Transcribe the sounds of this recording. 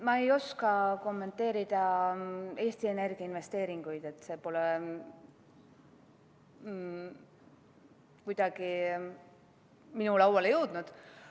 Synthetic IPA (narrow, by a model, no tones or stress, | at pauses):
mɑejo̞skɑko̞mːe̞nt̪ːˑe̞ːɾid̪̥ɑ | e̞ːst̪ie̞ne̞rɡ̥iɑinve̞st̪eːɾiŋɡ̥ujd̪̥e̞t̪ːˑse̞ːpo̞le | kujd̪̥ɑɡ̥i | minulɑwɑlejɤwd̪̥nud̪̥